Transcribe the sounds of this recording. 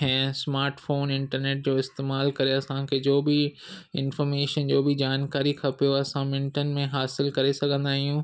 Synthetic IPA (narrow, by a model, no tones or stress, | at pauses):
ɦɛ̃ːsmaːɾʈfoːnɪ̃ɳʈəɾneːʈ̚d͡ʑoːɪst̪eːmaːlkɐɾeɐsãkʰed͡ʑoːbɪɪnfɔːɾmeːʃənd͡ʑoːbɪd͡ʑaːnkaːɾikʰɐpijoɐsãmɪ̃ɳʈənmẽɦaːsɪlkɐɾesɐɡʱə̃nd̪aːɦijũː